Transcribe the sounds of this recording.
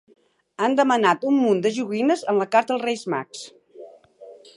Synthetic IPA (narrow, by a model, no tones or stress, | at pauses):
and̪əmənat̪umːund̪əʒuɣinəzənləkaɾt̪əlˠrejzma̰ks